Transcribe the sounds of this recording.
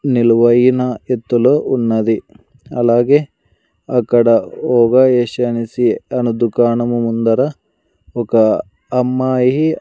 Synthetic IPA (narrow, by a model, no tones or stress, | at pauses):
nilʋɐjinɐet̪ːulounːɐd̪i | ɐ̰laːɡe | ɐkːɐɽɐoːɡaeːʃɐnisiɐnud̪ukaːnɐmumund̪ɐɾɐ | okɐ | ɐmːaːjiɦi